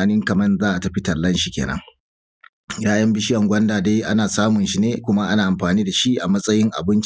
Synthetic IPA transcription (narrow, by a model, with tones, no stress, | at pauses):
a˨nɪ˦ŋkɐ˨mɐ˦nzaː˦ʔa˨tɐ˦ɸi˦tɐ˨lːɐ˦nʃi˨kʲḛː˨nɐ̰˦ŋ | jaː˦jɐ˦mbi˦ʃɪ˦jɐ˨ŋɡʷɐ˦ndaː˨deː˦ʔa̰˦naː˨saː˦mʊ˨nʃi˦neː˦kʷʊ˦ma˦ʔa˦naː˨ʔa˨mɸaː˨niː˦da˨ʃi˦ʔa˨mɐ˦sʼɐ˦jɪ˦ŋʔa̰˨bɪ˦nt͡ʃ